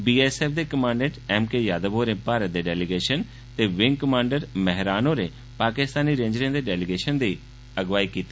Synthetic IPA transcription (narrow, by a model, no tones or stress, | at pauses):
biːɛːsɛːpʰd̪eːkəmãːɳɖẽːʈɛːmkeːjaːd̪əboːɾẽːpaːɾət̪̚d̪eːɖɛːlɪɡeːʃən | t̪eːʋɪŋɡkəmãːɳɖəɾmɛɦɾaːnõːɾeː | paːkɪst̪aːniːɾẽːɲd͡ʒɾẽːd̪eːɖɛːlɪɡeːʃənd̪iː | əɡʋaːiːkiːt̪ː